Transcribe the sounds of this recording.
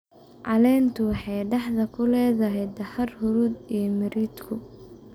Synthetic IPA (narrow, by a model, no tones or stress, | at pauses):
ʕɑ̰lɛːnt̪ʰʊwɑħɑjɖɑħðɐkʰʊlɛːðɐɦɛjd̪ɐhɐrhʊɾuːd̪ijɔmɐɾiːd̪kʰʊ